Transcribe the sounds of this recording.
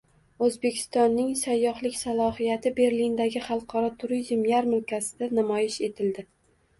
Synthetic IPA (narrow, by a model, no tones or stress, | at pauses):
ɵzbe̞kʲʰɪ̥st̪ɒnːɪŋsajːɒhlˠɪkʲsalˠɒhijat̪ʰɪbe̞ɾlind̪aɡʲɪχɑlˠqʰɒɾɒt̪ʰʊɾizmjaɾmɪlˠkʲʰasɪd̪anamɒjɪʃe̞t̪ʰɪld̪ɪ